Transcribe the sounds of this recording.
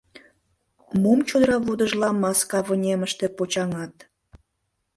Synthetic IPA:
momt͡ɕod̪əɾɑβud̪əʒlɑmɑskɑβənʲeməʃt̪epot͡ɕɑŋɑt̪

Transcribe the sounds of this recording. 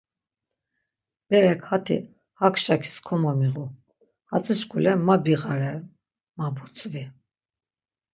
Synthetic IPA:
b̥ɛɾɛkʰhat̪ʰḭ | hakʰʃakʰi̥skʰɔmɔmiʁu | hat͡sʼiʃkʰʼulɛmabiʁaɾɛ | mabut͡sʼvi

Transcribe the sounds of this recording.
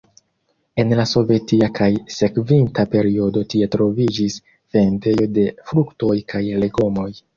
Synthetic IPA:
e̞nlaso̞ve̞tiakʰajse̞kvintape̞ɾio̞do̞tie̞tɾo̞vid͡ʒis | fe̞ndejode̞fɾukto̞jkʰajle̞ɡo̞mo̞j

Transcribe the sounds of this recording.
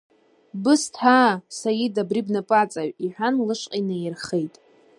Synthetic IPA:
bɨstʰaːsajidabribnapʼat͡sʼaʕʷiħᶣanlɨʂqʼajnɨjɪrχejtʼ

